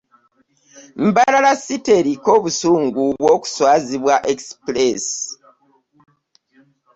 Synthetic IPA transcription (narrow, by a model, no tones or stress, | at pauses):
m̩balalasite̞ɾiko̞βusuːŋɡuβwoku̥swaːziβwaʔeksples